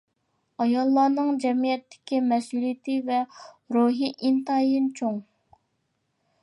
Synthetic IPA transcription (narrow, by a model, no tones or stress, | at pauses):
ɑjɑlˠːɑːnɨŋd͡ʒɛmijɛt̪ʰːɪ̥kʲimɛsulijt̪ʰɪvɛɾoɦiʔint̪ɑjint͡ʃʰoŋ